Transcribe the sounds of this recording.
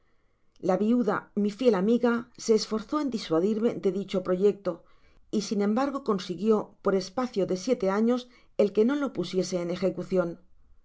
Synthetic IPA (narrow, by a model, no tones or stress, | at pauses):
laβiuðamifje̞lamiɣase̞ːsfo̞ɾθo̞e̞nd̪iswaðiɾme̞ðe̞ðit͡ʃo̞pɾo̞ʝe̞k̚t̪o̞ | isinẽ̞mbaɾɣ̞o̞ko̞nsiɣjo̞po̞ɾe̞spaθjo̞ðe̞sje̞t̪e̞aɲo̞s | e̞lke̞no̞lo̞pusje̞se̞ːne̞xe̞kuθjo̞n